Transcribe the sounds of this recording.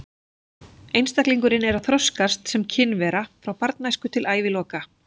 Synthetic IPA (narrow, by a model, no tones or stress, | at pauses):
ejnst̪akliŋkʏɾɪnɛɾaθɾɔskast̪sɛmcʰɪnvɛːɾafɾawpaɾt̪̚najskʏt̪ʰɪlʔaːjvɪlɔːka